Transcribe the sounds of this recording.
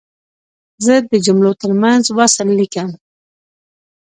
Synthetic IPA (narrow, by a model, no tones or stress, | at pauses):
zəd̪əd͡ʒʊmlot̪əɾmanzwasəlːikam